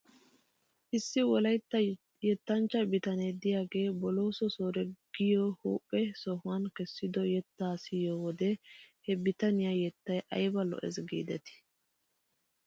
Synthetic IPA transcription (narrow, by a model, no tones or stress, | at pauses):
ʔɪsːɪwɔlɐjt̪ːɐ | jɛt̪ːɐnt͡ʃːɐbɪt̪ɐned̪ɪjaːɡe̞ːbɔlo̞ːsɔsoːɾɛɡ̥ɪjoːhuːpʼːɛsɔhʊankɛsːɪd̪ɔjɛt̪ːaːsɪjoːwɔd̪ɛhɛbɪt̪ɐnɪjajɛt̪ːɐjʔɐ̰jbɐlɔ̰ʔɛ̰zɡḭːd̪ɛt̪ɪ̥